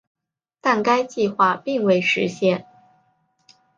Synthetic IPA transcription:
t̪a˥˩nka˥ɪt͡ɕi˥˧xwa˥˧pi˥˧ŋwe˥˩ɪʂɻ̩˧˥ɕjɛ˥˩n

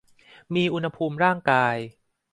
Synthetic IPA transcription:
miː˧ʔu˧nha˧pʰuː˧mɾaː˥˩ŋkaː˧j

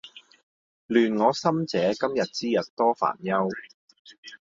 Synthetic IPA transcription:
lyː˨nŋɔː˨˧sɐ˥mt͡sɛː˨˥kɐ˥mjɐ˨t̚t͡siː˥jɐ˨t̚t̪ɔː˥fa̰ː˨˩njɐ˥w

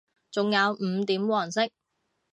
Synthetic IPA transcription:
t͡sʊ˨ŋjɐ˨˧wm̩ː˨˧t̪iː˨˥mwɔː˨˩nsɪ˥k̚

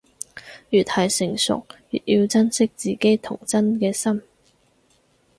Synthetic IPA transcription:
jyː˨˩t̪̚hɐ˨˩jsɪ˨˩ŋsʊ̰˨k̚ː | ji˧wt͡sɐ˥nsɪ˥k̚t͡siː˨ke˥jt̪ʰʊ˨˩ŋt͡sɐ˥nkɛː˧sɐ˥m

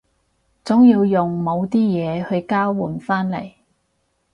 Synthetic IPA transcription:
t͡sʊ˨˥ŋjiː˧wjʊ˨ŋmo˨˧wt̪iː˥jɛː˨˧hɵ˧ɥkaː˥wːuː˨˩nfaː˥nlɐ̰˨˩j

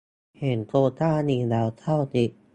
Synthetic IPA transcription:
he˩˦nkoː˧t̪aː˥˩niː˧˩lɛː˨˧˥wt̪ʰa˥˩wt̪i˧˩

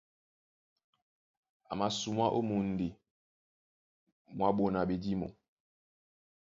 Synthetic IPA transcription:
a˨ma˨su˨ma˦ʔo˦mu˨n˨di˨ | mwa˦ɓo˨na˨ɓe˨di˦mo̰˨

